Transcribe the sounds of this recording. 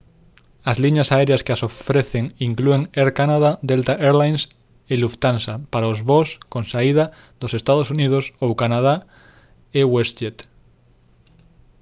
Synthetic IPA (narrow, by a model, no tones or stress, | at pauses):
azliɲasaeɾejaskeasofɾeθeŋiŋklue̞ŋeɾkanaðad̪elt̪aʔeɾlajns | eluft̪ansapaɾaozβoskõnsaið̞a | ðose̞st̪aðosunið̞osowkanað̞a | eweset̪